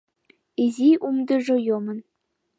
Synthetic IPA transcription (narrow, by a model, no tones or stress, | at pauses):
izʲiʔumd̪ɤ̆ʐɤ̆jomɤ̆n